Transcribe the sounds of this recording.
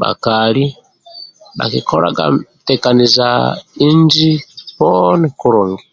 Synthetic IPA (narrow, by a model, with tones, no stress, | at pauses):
ɓa̰˨kali˦ | ɓa̰˨ki˨kʰɔ˦ɾa̰˦ɡa̰tɛkani˨za̰i˦nd͡ʒi˦pɔni˨kuɾɔŋɡi